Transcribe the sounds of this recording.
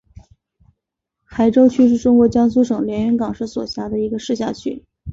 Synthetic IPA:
xa˧˥ɪʈ͡ʂo˥ʊt͡ɕʰy˥ʂɻ̩˥˩ʈ͡ʂʊ˥ŋkwɔ˧˥t͡ɕjɑ˥ŋs̬u˥ʂɤ˨˩ŋljɛ˧˥ny˧˥nkɑ˨˩ŋʂɻ̩˧˥swɔ̰˨˩ɕja˧˥d̪ə˧i˧˥ɡə˧ʂɻ̩˥˧ɕ̬ja˥˧t͡ɕʰy˥˩

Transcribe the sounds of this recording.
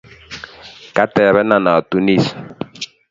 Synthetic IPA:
ka˦tɛ˨βɛ˦na˦na˨tu˦ni˦˨s

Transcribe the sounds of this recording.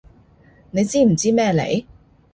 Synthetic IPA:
ne˨˧jt͡siː˥m̩˨˩t͡siː˥mɛː˥lḛ˨˧˥j

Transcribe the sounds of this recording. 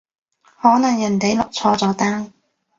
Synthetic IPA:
hɔː˨˥nɐ˨˩ŋjɐ˨˩nt̪e˨˥jlɔ˨k̚t͡sʰɔː˧t͡sɔː˨˧˥t̪aː˥ŋ

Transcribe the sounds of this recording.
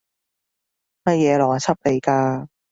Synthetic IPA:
mɐ˧j̚jɛː˨˧lɔː˨˩ŋa˨t͡sʰɐ˥p̚le˨˧jkaː˧

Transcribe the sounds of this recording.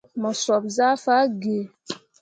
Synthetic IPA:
mɔ˨sɔ˨p̚za˦fa˦ɡe˨

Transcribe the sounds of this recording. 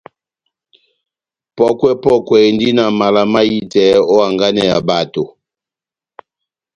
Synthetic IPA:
pɔ˦kwɛ˦pɔ˦kwɛ˨ndi˦na˨ma˨la˨ma˦ji˦tɛ˨˦ɔ˦a˨ŋɡa˦nɛ˨ja˨ba˨to˨

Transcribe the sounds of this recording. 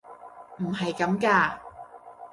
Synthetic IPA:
m̩˨˩ɦɐ˨jkɐ˨˥mkaː˧

